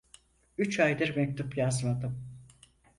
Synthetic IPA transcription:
yt͡ʃʰajd̪ɯɾmɛc̚t̪ʰupjazmad̪ɯm

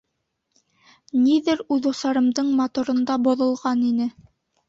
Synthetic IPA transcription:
niðɘɾʉðusɑɾɤ̆md̪ɤɴmɑt̪uɾɤ̆nd̪ɑbŏðŏlˠʁɑninɘ

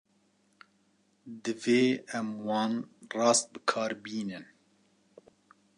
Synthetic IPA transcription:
d̪ɨveːɛmwɑːnrɑːst̪̚bɨkʰɑːɾbiːnɨn

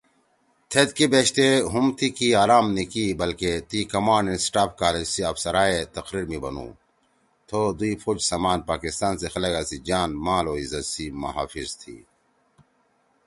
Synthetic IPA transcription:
t̪ʰet̪kibeːɕt̪eɦumt̪ʰikiaːɾaːmnikibɐlket̪ikɐmaːɳɖinsʈaːpkaːled͡ʑsiɐfsɐɾaːet̪ɐqɾiɾmibɐ̰nṵ̃ː | t̪ʰod̪uipʰod͡ʑsamaːnpaːkist̪aːnsexɐlɐɡaːsid͡ʑaːnmaːloːizɐt̪simɐ̰ɦa̰ːfizt̪ʰḭː

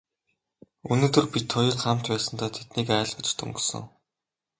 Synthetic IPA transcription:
unoːt̪ɵ̆rpit̪ʰːɔjə̆ɮχam̥t͡ɕ̪pæːsə̆nt̪æːt̪ʰet̪niːkæːɮʁə̆t͡ɕt̪ɵ̰ŋɡɵ̆sɘ̰̆ŋ

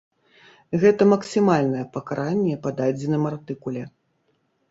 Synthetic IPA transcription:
ɣɛt̪ɐmɐksʲimalʲnɐjɛpɐkaɾʔanʲːɛpɐd̪ad͡zʲinɨmart̪ɨkulʲɛ

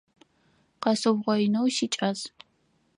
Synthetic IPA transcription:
qɐsɨwʁʷɐɪnowʃit͡ʃʼɐz

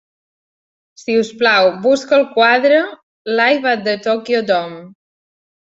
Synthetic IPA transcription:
siusplawbuskəlˠkwaðɾə | lajβad̪ət̪okjod̪ɔm

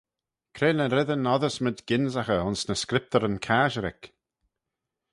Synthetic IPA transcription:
kʰɾeːnəɾɪðənɔðəsmɪd̪ɡɪnzaxəʊnsnəskɾɪp̚t̪əɾənkʰaːʒəɾɪ̰k

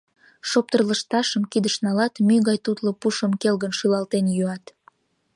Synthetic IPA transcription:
ʃop̚t̪ərləʃt̪ɑʃəmkid̪əʃnɑlɑt̪myɣɑjt̪ut̪lopuʃəmkelɣənʃylɑlt̪enjyɑt̪

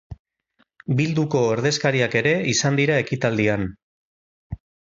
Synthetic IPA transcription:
bild̪uko̞eɾð̞e̞skaɾiake̞ɾe̞isand̪iɾae̞kit̪ald̪ian

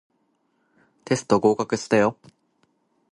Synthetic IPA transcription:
t̪e̞sɨ̥t̪o̞ɡo̞ːkakɯ̟sɨ̥t̪ajo

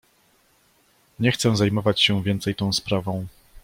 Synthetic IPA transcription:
ɲɛxt̪sɛzajmɔvat͡ɕɕɛvʲjɛnt̪sɛjt̪ɔ̃w̃spɾavɔ̃w̃

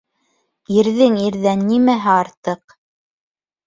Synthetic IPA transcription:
iɾðɘŋiɾðænːimæɦæɑɾt̪ɤq̚

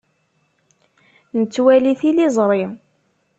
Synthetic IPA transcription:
nət͡sːwæliθilizˤɾˤim

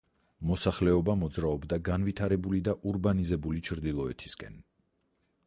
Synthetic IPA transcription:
mɔsaχlɛɔbamɔd̪zɾaɔbd̪aɡanvit̪ʰaɾɛbulid̪aʔuɾbanizɛbulit͡ʃʰɾd̪ilˠɔɛt̪ʰi̥skʼɛ̰n

